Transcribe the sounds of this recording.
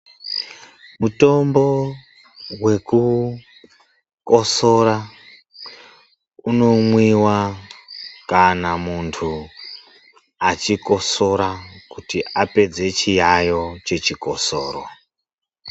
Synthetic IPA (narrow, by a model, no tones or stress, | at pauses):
muto̞mbo̞ | we̞ku | koso̞ɾa | uno̞mwiwa | kanamuntʰu | at͡ʃiko̞so̞ɾakutiape̞d͡ze̞t͡ʃijajo̞t͡ʃe̞t͡ʃikoso̰ːɾo̰